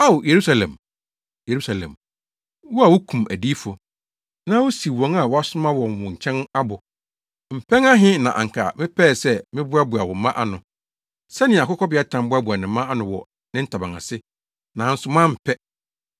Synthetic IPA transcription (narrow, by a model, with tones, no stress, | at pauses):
a˦wje˨ɾu˦sa˨lɛ̰̃˨m | je˨ɾu˦sa˨lɛ̰̃˨m | wʊ˦a˨wʊ˦kʰũ˨mʔæ̰˨diː˦fɔ˨ | nã˦wʊ˦si˨wɔ̃˨ŋa˨wɔ˦a˦sʊ˦mã˦wɔ̃˨n˨wʊ̃˨ɲ̩˨t͡ɕʰɛ̃˦na˦bʊ˨ | m̩˨pʰɛ̃˦ŋa˦ɦɪ̃˦nã˨ʔa̰˨ŋ˨kʰa̰˨mɪ̃˦pʰɛ˦˨sɛ˦mɪ̃˦bʊ˦a˦bʊ˨a˨wɔ̃˨mã˦ʔa˦nʊ̃˨ | sɛ˦nɪ̃˨a˨kɔ˦kʰɔ˦bɪ˨˦a˦tʰã˨mbʊ˦a˦bʊ˨a˨nɪ̃˨mːã˦a˦nʊ̃˨˦wɔ̰˨ | nɪ̃˦n̩˦tʰa˨bã˨ŋã̰˨sɪ˦ | nã˨n̩˦sʊ˨˦mã˦m̩˨pʰɛ˦